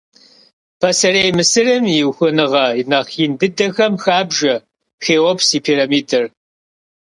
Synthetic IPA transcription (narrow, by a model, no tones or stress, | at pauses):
pʰɐsɐrejmɨsɨrɨmiwxʷʊnɨʁɐinɐχindɨdɐxɐmxaːbʒɐ | xeːwɔpsiːpʰiːɾɐmiːtʰɨr